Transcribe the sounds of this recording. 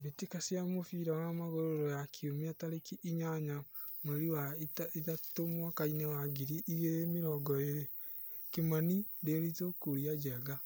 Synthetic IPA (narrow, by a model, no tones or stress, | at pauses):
βetikasiamofiɾawamaɣoɾoɾɔjakʰiomiataɾekiʔiɲaɲameɾiwatitatomwakainewaɡiɾiʔiɣeɾemeɾɔɡɔeɾe | kemaniɾeɾitokuɾiad͡ʒɛːɡa